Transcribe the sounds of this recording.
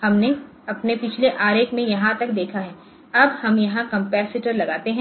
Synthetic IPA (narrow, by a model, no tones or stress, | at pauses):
hɐmne | ɐpnepɪt͡ʃʰleʔaːɾeːkmẽjɐɦãt̪ɐk̚d̪eːkʰaɦɛ̃ː | ɐbhɐmjɐɦãkɐ̃mpɛːsɪʈəɾlɐɡaːt̪eɦɛ̃ː